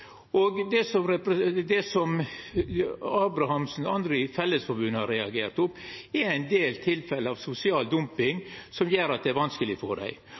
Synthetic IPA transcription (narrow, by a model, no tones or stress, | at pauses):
oɡd̪ɛsɔmɾɛpɾəd̪ɛsɔm | ɑːbɾɑhɑmsn̩ɑnd̪ɾəfɛlːəsfɔɾbʉnːhɑɾɛɑɡeːɾt̪ʊmɛɾæɪnd̪eːlt̪ʰɪlfɛləɑʋsʊsɪɑːld̪ʊmpɪŋsɔmjeːɾɑt̪d̪ɛæɾʋɑnskəlɪfɔɖæ̰ɪ